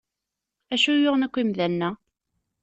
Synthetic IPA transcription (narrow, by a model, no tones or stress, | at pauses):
æʃujoʁnækʷːimðænːæ